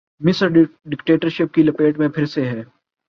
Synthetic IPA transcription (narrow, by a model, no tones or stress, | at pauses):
mɪsəɾɖɪkʈeːʈəɾʃɪp̚kilɐpeːʈmẽpʰɪɾseɦɛː